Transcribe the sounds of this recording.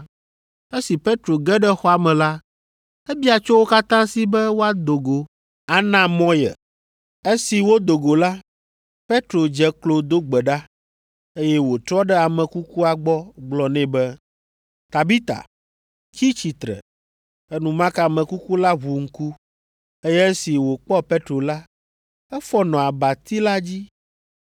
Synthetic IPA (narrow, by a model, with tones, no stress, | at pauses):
e˦si˨pe˦t̪ɾo˨ɡɛ˦ɖɛ˦xɔ˦a˨mɛ̃˨la˦ | ɛ˦bi˦a˨t͡ʃo˦wo˦ka˦t̪ã˦si˨bɛ˦wo˦a˦d̪o˨ɡo˨ | a˦nã˦mɔ̃˦jɛ̰˨ | e˦si˨wo˦d̪o˨ɡo˨la˦ | pe˦t̪ɾo˨d͡ʒɛ˦klo˨d̪o˦ɡ͡bɛ˨ɖa˦ | e˦jɛ˦wo˨t̪ɾɔ˦ɖɛ˦a˨mɛ̃˨ku˦ku˦a˨ɡ͡bɔ˦ɡ͡blɔ˨nɛ̃˦bɛ˦ | t̪a˨bi˦t̪a̰˨ | ki˦t͡ɕi˨t̪ɾɛ̰˨ | ɛ˦nũ˨mã˦ka˨mɛ̃˨ku˦ku˦la˦βu˨ŋ̩˦ku˦ | e˦jɛ˦e˦si˨wo˨k͡pɔ˦pe˦t̪ɾo˨la˦ | ɛ˦fɔ˦nɔ̃˨a˨ba˨t̪i˦la˦d͡ʑi˦